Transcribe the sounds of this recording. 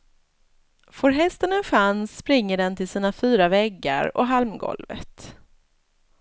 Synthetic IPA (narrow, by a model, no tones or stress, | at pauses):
foɾɦɛst̪ənənɧansːpɾɪŋːəɖɛnt̪ɪlsiːnafyːɾavɛɡːa̰ɾɔ̰ɦalmɡɔ̰lvə̰t̪